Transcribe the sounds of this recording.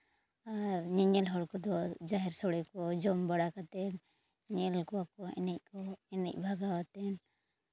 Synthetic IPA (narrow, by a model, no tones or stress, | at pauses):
aɾɲɛɲɛlɦɔɽkɔd̪ɔd͡ʒaɦɛɾsɔɽɛkɔd͡ʒɔmbaɽakat̪ɛn | ɲɛlkɔakɔɛ̰nic̚ˀkɔɛnic̚ˀbʱaɡawat̪ɛn